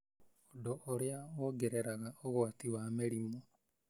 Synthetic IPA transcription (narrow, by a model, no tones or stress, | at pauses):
odoʔoɾjaoɡeɾeɾaɣaoɣwatiwameɾimo